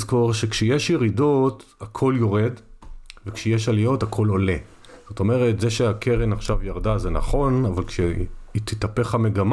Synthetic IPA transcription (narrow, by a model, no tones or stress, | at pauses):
zko̞ʁʃe̞kʃejeʃjeʁido̞t̪akʰo̞ljo̞ʁe̞dvekʃejeʃalijo̞takʰo̞lo̞le̞ | z̥o̞to̞me̞ʁetzeʃeakʰe̞ʁenaχʃavjaʁd̪azena̰χo̞navalkʃeit̪it̪ape̞χame̞ɡam